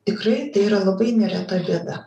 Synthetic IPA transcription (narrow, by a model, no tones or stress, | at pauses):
t̪ʲɪkrɐɪt̪ɐɪiːɾɐlˠɐbɐɪnʲɛɾʲæt̪ɐbʲiɛd̪ɐ